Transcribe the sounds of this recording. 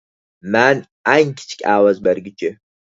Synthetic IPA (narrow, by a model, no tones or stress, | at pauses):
maːn | aːjnkʲʰt͡ʃʰʼkʲʼaːwɐzbɐrɡɪt͡ʃʼɪ